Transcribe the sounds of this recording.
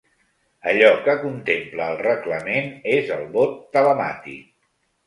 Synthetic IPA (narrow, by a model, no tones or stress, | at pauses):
əʎɔkəkunt̪empləːlˠrəkləmenezəlˠβot̪ːələma̰t̪ḭk